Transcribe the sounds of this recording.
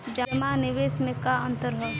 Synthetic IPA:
d͡ʒəmanɪʋeːsmẽkaə̃nt̪əɾɦɛ

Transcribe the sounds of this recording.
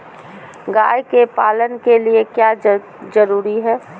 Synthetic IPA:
ɡaːjkepaːlənkeliekjaː | d͡ʒəɾuːɾiɦɛː

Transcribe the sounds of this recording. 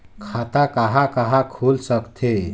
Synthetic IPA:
kʰat̪akaɦakaɦakʰulsəkt̪ʰe

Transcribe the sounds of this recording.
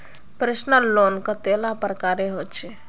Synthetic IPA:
pɾesnəlːonkət̪elapɾəkaɾeɦot̪t͡ʃʰɛ

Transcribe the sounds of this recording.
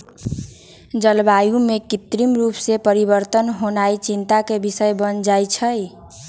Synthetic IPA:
d͡ʒəlbajũmekit̪ɾimɾupsepəɾiβəɾt̪ənɦonajt͡ʃint̪akebisəjbənd͡ʒajt͡ʃʰəj

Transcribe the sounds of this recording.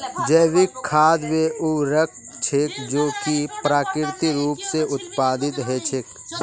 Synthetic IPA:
d͡ʒəːʋɪkʰːaːd̪weʔuɾək̚ʰ | t͡ʃʰekd͡ʒoːkipɾaːkɪɾt̪iɾuːpseʊt̪paːd̪ɪt̪ɦɛt͡ʃʰɪk

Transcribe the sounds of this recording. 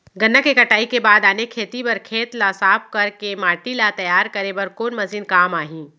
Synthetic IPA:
ɡɐnəkːekɐʈaːikebaːd̪aːnekʰeːt̪ibɐɾkʰeːt̪laːsaːp̚kɐɾkemaːʈilat̪ɐjaːɾkɐɾebɐɾkoːnmɐzinkaːmaːɦĩː

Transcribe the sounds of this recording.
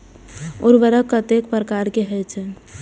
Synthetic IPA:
uɾbəɾəkːət̪ek̚pɾəkaɾkeɦɛjt͡ʃʰɛ

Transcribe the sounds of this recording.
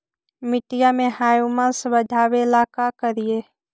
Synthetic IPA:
mɪʈɪjamẽɦaːjumãsbəd̪ʱaːʋelaːkakəɾɪjeː

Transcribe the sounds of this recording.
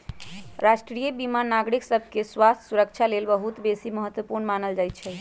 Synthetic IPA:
ɾaʃʈɾijəbimanːaɡɾiksəbʱkeswast̪ʰsuɾəkt͡ʃʰalelbəɦut̪besiməɦət̪wəpuɾnmanəld͡ʒajt̪̚t͡ʃʰɛ

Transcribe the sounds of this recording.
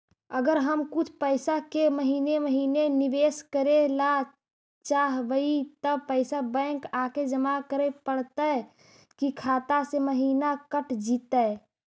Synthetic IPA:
əɡəɾɦəmkʊt͡ʃʰpəɪsakeməɦiːneməɦiːneniʋeːskəɾela | t͡ʃaːɦʋəit̪əpəɪsabɛ̃ːkaːked͡ʒəmakəɾepəɽt̪ə | kikʰaːt̪aseməɦiːnakəʈʰd͡ʒit̪ə

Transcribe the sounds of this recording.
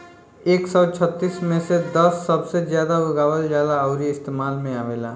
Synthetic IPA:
eːksɔt͡ʃʰət̪ːismẽsed̪əsːəbsed͡ʒjad̪auɡawəld͡ʒjad̪aəʊɾiɪst̪emalmẽaʋela̰

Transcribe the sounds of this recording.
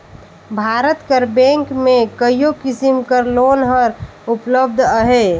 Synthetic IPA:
bʱaːɾət̪kəɾbẽŋkmẽkəijokɪsimkəɾloːnɦəɾ | upləb̚d̪ʱəɦe

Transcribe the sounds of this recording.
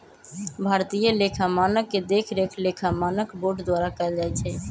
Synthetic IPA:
bʱaːɾt̪ijəlekʰamaːnəkːed̪eːkʰɾekʰlekʰamaːnəkboːʈd̪waːɾakəld͡ʒaːɛt͡ʃʰɛ

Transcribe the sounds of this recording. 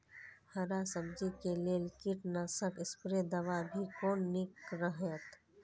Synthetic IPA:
hɐɾasəbd͡ʒikeleːlɪkiʈnasəkɪspɾed̪ɐʋabʱikoːnnɪkɾəɦət̪

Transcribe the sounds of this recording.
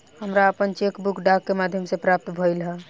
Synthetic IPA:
həmɾaəpənt͡ʃekbukɖakːemad̪ʱjəmsepɾap̚t̪bʱəjlɦə

